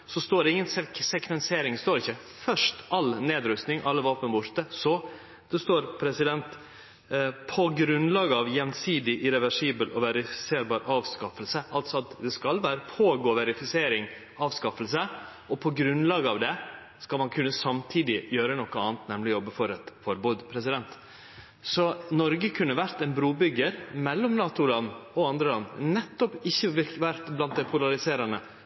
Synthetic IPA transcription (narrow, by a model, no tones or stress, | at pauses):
sɔst̪oːɾɛɪŋːənsɛsɛkʰʋɛnseːɾɪŋst̪oːɾɪçːəfœʂt̪ɑlneːd̪ɾʉst̪nɪŋʔɑlːəʋɑːpənbʊʂt̪əsɔ | d̪̥ɛst̪oːɾpʰɾɛsɪd̪ɛnt̪ | pʰɔɡɾʉnlɑːɡɑʋjɛnsiːd̪ɪʔɪɾɛʋæʂiːbəlʔɔʋɛɾɪfɪ̥seːɾbɑːɾʔɑːʋskɑfəlsəɑlt̪sɔɑt̪d̪ɛskɑlʋæːɾəpʰoːɡoːʋɛɾɪfɪseːɾɪŋ | ɑːʋskɑfəlsə | ɔpʰɔɡɾʉnlɑːɡəɑʋd̪ɛ | skɑlmɑnkʰʉnːəsɑmt̪ʰiːd̪ɪjøːɾənɔkːəɑːnt̪nɛmlɪjɔbːəfɔɾɛt̪fɔɾbuːd̪pʰɾɛs̬ɪd̪ɛnt̪ | sɔnɔɾɡəkʰʉnːəʋæɾt̪ɛnbɾuːbʏɡəɾmɛlːɔmnɑːt̪ʊlɑnɔɑnd̪ɾəlɑnnɛt̪ːɔpɪçːəʋɪʋæɾt̪blɑnt̪̚d̪ɛpʰʊlɑɾɪseːɾɑnə